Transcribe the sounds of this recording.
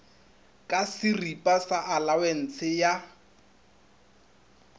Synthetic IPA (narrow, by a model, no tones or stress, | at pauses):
kʼasɪripʼasaʔalawen̩t͡sʰɪja